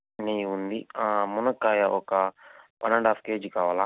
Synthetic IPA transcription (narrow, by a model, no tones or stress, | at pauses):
nejund̪iamunɐkːaːjɐʔɔkɐpɐnɐɳɖaːpkeːd͡ʒikaːʋaːla